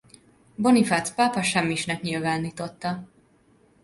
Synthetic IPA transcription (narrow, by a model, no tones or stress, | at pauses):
bo̞nifat̪spaːpɒʃɛmːiʃnɛkɲilvaːnːiːt̪o̞t̪ːɒ